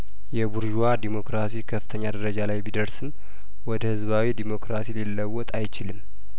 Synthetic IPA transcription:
jɛbuɾʒuwad̪imo̞kɾasikʰəfɨ̥t̪ʰəɲːad̪əɾəd͡ʒalajbid̪əɾsɨm | wɔd̪əhɨzβawid̪imo̞kɾasililːəwːɔt̪ʼajt͡ʃɪlɨm

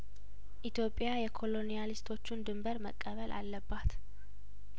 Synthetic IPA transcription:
ʔit̪jo̞pʼːjajɛkʰo̞lo̞nijalist̪ʰo̞t͡ʃːund̪ɨmbəɾməkʼːəβəlʔa̰lːəbːat̪

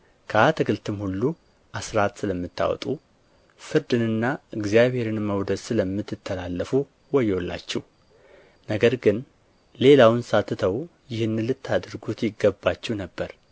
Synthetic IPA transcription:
kʰəat̪ʰɨɡɨlt̪ʰɨmhulːu | ʔasɾat̪sɨləmːɨt̪ːa̰wɔ̰t̪ʼu | fɨɾd̪ɨnɨnːaɨɡzijaβhe̞ɾɨnməwd̪əd̪sɨləmːɨt̪ːɨt̪ʰːəlalːəfu | wɔjːolːa̰t͡ʃːɛh | nəɡəɾɡɨn | le̞lawnsat̪ʰːɨt̪ʰəwjɪhɨnːɨlɨt̪ʰːad̪ɾɡut̪jɪɡːəbːat͡ʃːɛwnəbːəɾ

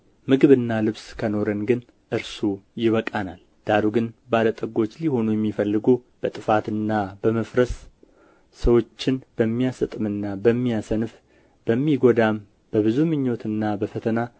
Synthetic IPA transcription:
mɨɡɨβɨnːalɨβskʰəno̞ɾənɡɨn | ʔɨɾsujɪβəkʼanal | d̪̥aɾuɡɨnbalət̪ʼəɡo̞t͡ʃːliho̞nujɛmːifəlːɨɡob̥ət̪ʼɨfat̪ɨnːabəməfɾəsː | əwot͡ʃːɪnbəmːijasɨt̪ʼɨmɨnːabəmːijasənɨf | b̥əmːiɡo̞d̪am | b̥əβɨzumɨɲːo̞t̪ɨnːabəfət̪ʰəna

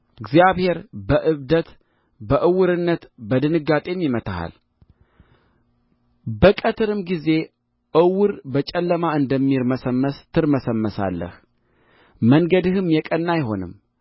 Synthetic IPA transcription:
ɨɡzjaβhe̞ɾbəʔɨβd̪ət̪ | bəʔɨwɨɾɨnːət̪bəd̪ɨnɨɡat̪ʼemːimət̪ʰaha̰l | bəkʼət̪ʰɨɾɨmɡize̞ | ʔɨwɨɾbət͡ʃʼɛlːəmaɨnd̪əmːiɾməsəmːəst̪ʰɨɾməsəmːəsa̰lːə̰h | məŋɡəd̪ɨhɨmjɛkʼənːajɦo̞̰nɨ̰m

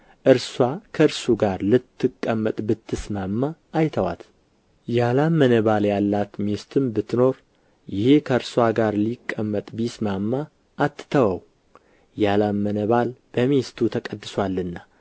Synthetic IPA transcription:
ʔɨɾswakʰəɨɾsuɡaɾlɨt̪ʰːɨkʼːəmːət̪ʼbɨt̪ʰːɨsmamːaːjt̪ʰəwa̰t̪ | jalamːənəβaljalːat̪mest̪ʰɨmbɨt̪ʰːno̞ɾ | jɪhekʰəɨɾswaɡaɾlikʼːəmːət̪ʼbismamːa | ʔːt̪ːɨ̥t̪ʰəwəw | jalamːənəβalb̥əmest̪ʰut̪ʰəkʼəd̪ːɨswalːɨnːa

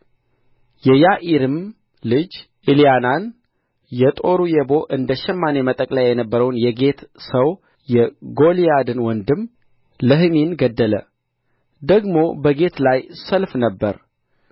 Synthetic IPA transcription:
jɛjaʔiɾɨm | lɨd͡ʒ | ʔilijanan | jɛt̪ʼo̞ɾujɛbo̞ʔɨnd̪əʃɛmːanemət̪ʼəkʼlajajɛnəbːəɾəwnjɛɡe̞t̪səw | jɛɡo̞lijad̪ɨnwɔnd̪ɨm | ləɦɨminɡəd̪ːələ̰ | d̪əɡmo̞bəɡe̞t̪lajsəlfnəbːəɾ

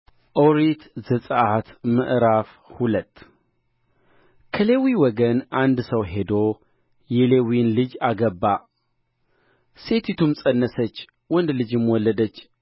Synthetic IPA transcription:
ʔoɾit̪zəsʼəʔat̪mə̰ʔɾaf | hulət̪ː | kʰəle̞wiwɔɡənʔand̪səwɦe̞d̪o | jɛlewinlɨd͡ʒaɡəbːa | se̞t̪ʰit̪ʰumsʼənːəsət͡ʃː | wɔnd̪lɨd͡ʒɪmwɔlːəd̪ət͡ʃː

